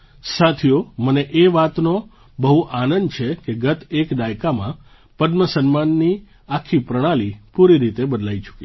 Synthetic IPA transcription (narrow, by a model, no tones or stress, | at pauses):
sat̪ʰijoməneʔeʋat̪no | bəɦuʔanənd̪t͡ʃʰekeɡət̪ekd̪ajkamã̰ | pəd̪məsənmanːi | akʰːipɾəɽ̃alipuɾiɾit̪ebəd̪lajt͡ʃʰu̥kie